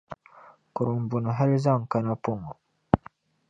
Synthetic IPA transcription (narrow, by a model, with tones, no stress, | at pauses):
kʊ˨ɾʊ˨m˨bu˨nɔ˨ɦa˦li˦za˦˨ŋ̩˨ka˦na˦pʊ˦˨ŋɔ˨